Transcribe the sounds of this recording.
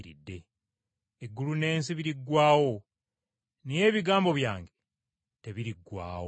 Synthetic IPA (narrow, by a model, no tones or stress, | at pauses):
ɾḭdːe̞ | eɡːulune̞ːns̬iβiɾiɡwaːwo̞ | nije̞ːβiɡaːmbo̞βjaːŋɡe̞ | te̞βiɾiɡːwa̰ːw